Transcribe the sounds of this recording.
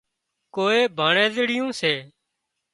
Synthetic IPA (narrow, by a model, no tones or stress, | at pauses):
koːeːbʱaːɳẽːzɪɽɪjõːseː